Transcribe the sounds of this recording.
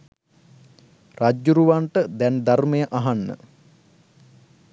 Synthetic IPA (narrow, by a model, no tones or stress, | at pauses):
rad͡ʒjuɾuʋaɳʈəd̪ɛnd̪armejəʔaɦanːə̰